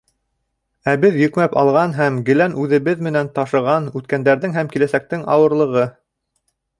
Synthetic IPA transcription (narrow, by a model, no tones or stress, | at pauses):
æβɘðjɵ̆kmæpɑlˠʁɑnɦæmɡɘ̆lænʔʉðɘ̆βɘðmɘ̆nænt̪ɑʃɤ̆ʁɑnʉt̪̚kænd̪æɾðɘŋɦæmkilæsæk̚t̪ɘŋɑ̰wɤ̆ɾlˠɤ̆ʁɤ